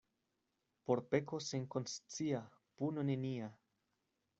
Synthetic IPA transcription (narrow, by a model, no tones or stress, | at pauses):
po̞ɾpe̞ko̞seŋkonst͡sia | punonenia